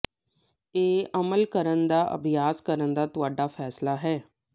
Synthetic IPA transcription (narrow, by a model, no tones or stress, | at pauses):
eːəməlkəɾənd̪aːʔə̰bʱɪjaːskəɾənd̪aːt̪ʊaːɖaːfʰɛːslaːɦɛː